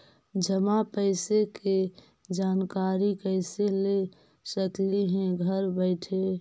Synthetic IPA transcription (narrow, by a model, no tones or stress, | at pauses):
d͡ʒəmapəɪseke | d͡ʒaːnkaɾikəɪsele | səkliɦɛ̃ɡʱəɾbəɪʈʰe